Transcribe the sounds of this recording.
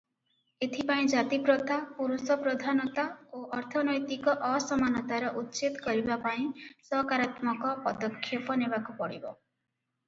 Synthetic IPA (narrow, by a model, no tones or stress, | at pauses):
et̪ʰipaĩd͡ʒat̪ipɾɔt̪apuɾusɔpɾɔd̪ʱanɔt̪aoʔɔɾt̪ʰɔnɔjt̪ikɔʔɔsɔmanɔt̪aɾɔʔut̪ːt͡ʃit̪kɔɾibapaĩsɔkaɾat̪mɔkɔpɔd̪ɔkʰːjɔpɔnebakupɔɽḭbɔ